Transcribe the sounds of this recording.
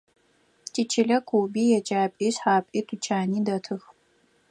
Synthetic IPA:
tʰit͡ʃʰɪɮɐkʰʷuːbiːjɛt͡ʃʼaːpʼiːɕħaːpʼiːtʰut͡ʃʰaːniːdɐtʰɨx

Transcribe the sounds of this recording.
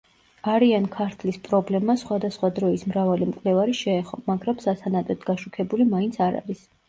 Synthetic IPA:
aɾiankʰaɾt̪ʰlispʼɾɔblɛmasχwad̪asχwad̪ɾɔismɾavalimkʼlɛvaɾiʃɛːχɔ̰maɡɾamsasanat̪ʼɛt̪ʰɡaʃukʰɛbulimaint̪sʰaɾa̰ɾis

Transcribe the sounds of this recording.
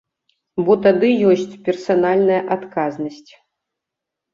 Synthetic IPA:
bɔt̪ad̪ɨjɔsʲt͡sʲpʲɛrsanalʲnɐjɐʔat̪kaznɐsʲt͡sʲ

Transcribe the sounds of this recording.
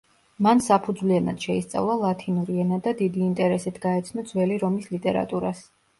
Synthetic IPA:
mansapʰud̪zwlianad̪̥ʃɛist̪sʼa̰vlˠalˠat̪ʰinuɾiɛnad̪ad̪id̪iːnt̪ʼɛɾɛsit̪ʰɡaɛt̪sʰnɔd̪zwɛliɾɔmislit̪ʼɛɾa̰t̪ʼuɾas

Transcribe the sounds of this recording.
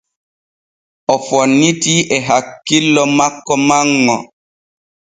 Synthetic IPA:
ʔɔfɔnːitiʔɛɦakːilːɔmakːɔmaŋːɔ

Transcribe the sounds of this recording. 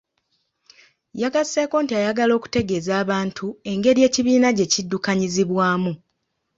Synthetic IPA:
jaɡaseːko̞ːntiajaɡalo̞ːku̥te̞ɡe̞zaːβaːntʰue̞ŋɡe̞ɾje̞ːciβiːnaɟe̞cidːukaɲiziβwaːmu

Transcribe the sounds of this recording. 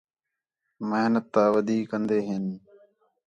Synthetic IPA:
məɦnət̪ːaːʋəd̪ʱiːkə̃nd̪eːɦɪn

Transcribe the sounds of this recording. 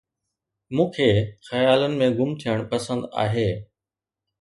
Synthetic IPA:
mũːkʰeːxɐjaːlənɪ̆mẽɡʊmt̪ʰijəɽ̃pɐsə̃nd̪a̰ːɦeː

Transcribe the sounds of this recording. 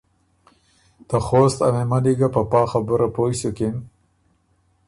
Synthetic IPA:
t̪axost̪a̰memaliɡapapɑːxabʊɾapojsokem

